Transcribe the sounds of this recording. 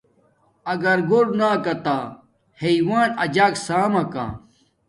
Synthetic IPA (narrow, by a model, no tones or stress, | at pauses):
ɐɡɐɾɡoɽnaːkɐt̪aː | heiwaːnɐd͡ʑaːksaːmɐka̰ː